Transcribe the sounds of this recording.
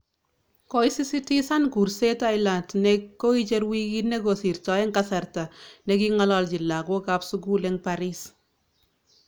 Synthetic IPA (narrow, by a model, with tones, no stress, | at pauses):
ko˦isi˦si˦ti˦sa˦nku˨ɾse˦ta˦ɪla˨ntnɛkːo˦it͡ʃe˦ɾwikine˦ko˨si˨ɾtɔ˨ɛ˦ŋkasa˨rta˨nɛkiŋɔ˦lɔlt͡ʃi˨lːa˨ko˦kapsuɡu˦lɛŋpaɾis